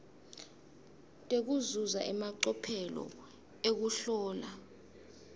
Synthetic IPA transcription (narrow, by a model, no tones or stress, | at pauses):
tʼek̬uzuza̰ʔɛmaǀɔpʰɛlɔ̰ | ek̬uɬɔːla